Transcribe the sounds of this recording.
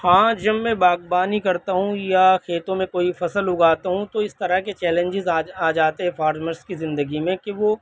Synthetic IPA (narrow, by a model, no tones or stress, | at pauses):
hãːd͡ʒɐbmẽbaːɡ̚baːnikɐɾt̪aɦũjakʰeːt̪õmẽkoːifɐsəlɦʊɡaːt̪aɦũt̪oɪst̪ɐɾaket͡ʃɛːlẽɲd͡ʒɪzaaːd͡ʒaːt̪eɦɛ̃pʰaːɾməɾskizɪ̃nd̪əɡimẽkeʋoː